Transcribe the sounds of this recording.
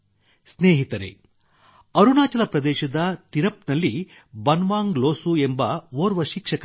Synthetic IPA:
sneːɦit̪ɐɾḛ | ɐɾunaːt͡ʃɐlɐpɾɐd̪ɛːʃɐd̪ɐt̪iɾɐpnɐlːi | bɐnʋaːŋɡloːsuembɐʋoːɾʋɐʃikʂɐkɐ

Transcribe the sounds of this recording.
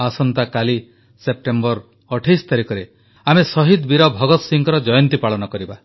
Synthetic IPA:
asɔnt̪akali | sep̚ʈembɔɾ | ɔʈʰajst̪aɾikɔɾe | amesɔɦid̪biɾɔbʱɔɡɔt̪ɔsiŋkɔɾɔd͡ʒɔjɔnt̪ipaɭɔnɔkɔɾiba

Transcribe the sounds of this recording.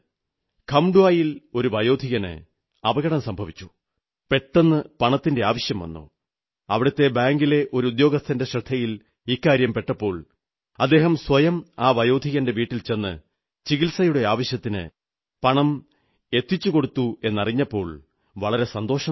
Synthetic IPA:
kʰɐmɖuaːjilo̞ɾuʋɐjo̞ːd̪ʱiɣɐnɨ̰ | ɐʋɐɣɐɽɐmsɐmbʱɐʋit͡ɕːu̥ | pe̞ʈːe̞nːɨpɐɳɐt̪ːinde̞aːʋɐɕjɐmʋɐ̰nːṵ | ɐʋiɽɐt̪ːe̞baːŋɡile̞ʔo̞ɾuud̪jo̞ːɡɐst̪ʰɐnde̞ɕrɐd̪ʰʱɐjil | ikːaːɾjɐmpe̞ʈːɐpːo̞ːɭ | ɐd̪ːe̞ːɦɐmswɐjɐmaːʋɐjo̞ːd̪ʱiɣɐnde̞ʋiːʈːilt͡ɕe̞nːɨ̰ | t͡ɕiɣilsɐjuɽe̞aːʋɐɕjɐt̪ːinɨ̰ | pɐɳɐm | e̞t̪ːit͡ɕːuko̞ɽut̪ːue̞nːɐriɲːɐpːo̞ːɭ | ʋɐɭɐɾe̞sɐnd̪o̞ːʂɐ

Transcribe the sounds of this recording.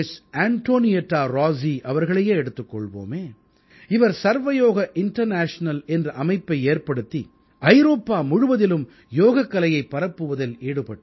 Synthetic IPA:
saːɳʈoːnɪjɐʈːaːɾaːziʔɐʋɐɾɣɐɭɐjeːɛɽɯt̪ːɯkːɔɭʋo̰ːmeː | ɪʋɐɾsɐɾʋɐjoːɣɐʔɪɳʈɐɾnaːʂnɐlɛndrɐʔɐmɐɪpːɐɪeːrpɐɽɯt̪ːi | ʔɐɪɾoːpːaːmʊɻʊʋɐðɪlɯm | joːɣɐkːɐlɐjɐɪpːɐɾɐpːɯʋɐðɐleːɽɯpɐʈː

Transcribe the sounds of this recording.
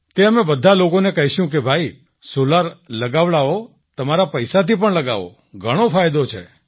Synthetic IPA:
t̪eəmebəd̪ʱalokonekəɦiʃjũkebʱai | solaɾləɡaʋɭao | t̪əmaɾapəjsat̪ipəɳləɡa̰ʋo̰ | ɡʱəɽ̃ofʰajd̪ot͡ʃʰḛ

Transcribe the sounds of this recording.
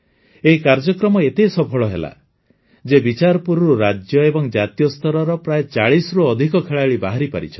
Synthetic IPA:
eikaɾd͡ʒɔkɾɔmɔet̪esɔpʰɔɭɔɦḛla̰ | d͡ʒebit͡ʃaɾɔpuɾɔɾuɾad͡ʒjɔebɔŋd͡ʒat̪ijɔst̪ʰɔɾɔɾɔpɾajet͡ʃaɭisɾuɔd̪ʱikɔkʰeɭaɭibaɦaɾipaɾḭt͡ʃʰɔ̥

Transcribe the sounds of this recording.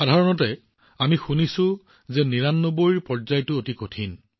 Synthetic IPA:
xadʱaɹɔnɔtɛ | amixunisʊ̃ | zɛniɹanːoboɹiɹpɔɹzajtʊotikotʰin

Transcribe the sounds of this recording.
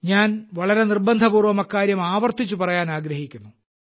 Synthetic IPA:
ɲaːnʋɐɭɐɾe̞nirbɐnd̪ʱɐpuːrʋɐmɐkːaːɾjɐmaːʋɐrt̪it͡ɕːupɐrɐjaːnaːɡɾɐɦikʲːunːu

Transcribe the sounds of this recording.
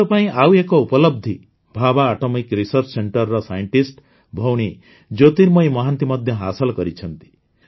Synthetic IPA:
ɔpaĩʔawekɔupɔlɔb̚d̪ʱi | bʱabaːʈɔmikɾisɔɾt͡ʃɔseɳʈɔɾːɔsajɔɳʈisʈ | bʱɔwɽ̃i | d͡ʒot̪iɾmɔjmɔɦant̪imɔd̪ʱjɔɦasɔlɔkɔɾit͡ʃʰɔnt̪i̥

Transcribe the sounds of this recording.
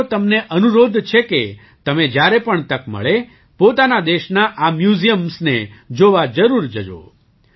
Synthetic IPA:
t̪əmneʔənuɾod̪t͡ʃʰeke | t̪əmed͡ʒjaɾepəɳt̪əkmə̰ɭe | pot̪anad̪eʃnaʔamjuzijəmsned͡ʒoʋad͡ʒəɾuɾd͡ʒəd͡ʒo̰

